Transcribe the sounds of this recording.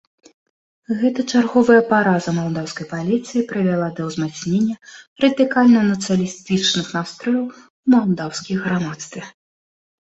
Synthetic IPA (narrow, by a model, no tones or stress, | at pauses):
ɣɛt̪ɐt͡ʂarɣɔvɐjɐpaɾazɐmalˠd̪awskɐjpalʲit̪sɨjipɾɨvʲalˠad̪ɐwzmat̪snʲenʲːɐrɐd̪ɨkalʲnɐnɐt̪sɨjɐlʲist̪ɨt͡ʂnɨxnast̪ɾɔjʲɐw | wmalˠd̪awsʲkʲijɣɾamat̪st̪vʲɛ